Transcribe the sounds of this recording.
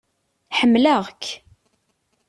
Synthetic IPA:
ħəmːləʁkː

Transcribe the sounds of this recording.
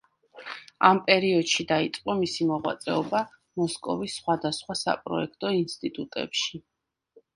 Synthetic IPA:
a̰mpʼɛɾiɔd̪̥ʃid̪ait̪sʼqʼɔmisimɔʁwa̰t̪sʼɛɔba | mɔskʼɔvisːχwad̪asχwasa̰pʼɾɔ̰ɛkʰt̪ʼɔinst̪ʼit̪ʼut̪ʼɛ̰pʃi

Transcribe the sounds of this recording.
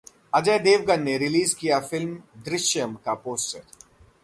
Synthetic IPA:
ɐd͡ʒəːd̪eːʋɡənːeɾɪliːzkijafɪlmd̪ɾɪʃjəmkapoːsʈəɾ

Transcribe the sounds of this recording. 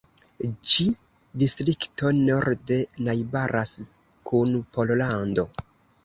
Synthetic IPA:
d͡ʒi | distɾikto̞noɾde̞najbaɾʔas | kʰunpo̞llando̞

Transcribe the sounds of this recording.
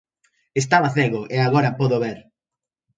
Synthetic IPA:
est̪aβaθeɣʊʔeaɣɔɾɐpɔðʊβeɾ

